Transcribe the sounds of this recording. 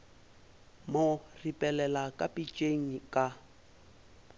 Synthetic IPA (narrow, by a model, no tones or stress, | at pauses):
mʊripʼɛlɛlakʼapʼit͡ʃʼeŋ̩kʼa